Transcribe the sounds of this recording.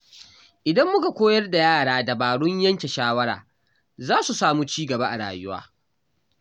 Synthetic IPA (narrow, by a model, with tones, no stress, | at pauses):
ʔɪ˨dɐ˦mːʊ˦ka˨kʷoː˦jɐ˦rda˨jaː˦˨ɽaː˦da˨baː˨ɽʊ˦ɲjɐ˦ŋkʲe˨ʃaː˦wɐ˦ɽa̰ː˨ | zaː˦su˨saː˨muː˦t͡ʃiː˦ɡɐ˨ba˦ʔa˨ɽa̰ː˨jʊ˦wa̰ː˦